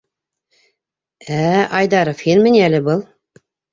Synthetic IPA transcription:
æʔɑjd̪ɑɾofenmɘ̆nælɘ̆bɤlˠ

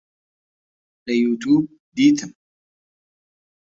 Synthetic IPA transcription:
lejut̪uːb̚ | d̪iːt̪ʰɐ

